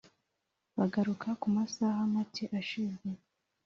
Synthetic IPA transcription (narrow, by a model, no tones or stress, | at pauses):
βaɡaɾukʰakumasahamatʰiʔaʃize